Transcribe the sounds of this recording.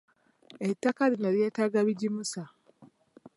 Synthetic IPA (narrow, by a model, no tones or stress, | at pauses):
etːakaɾinoɾjetaɡaβiɟimusa